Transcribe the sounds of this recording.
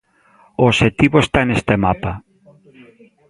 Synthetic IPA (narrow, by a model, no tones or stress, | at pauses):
ooʃet̪iβoest̪anest̪emapa